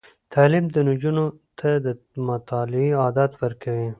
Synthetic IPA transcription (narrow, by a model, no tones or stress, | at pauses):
t̪ʰaːlimd̪ənud͡ʒunot̪ʰad̪ə | mat̪ɑːlɪiɑːd̪at̪wɐɾkɐwi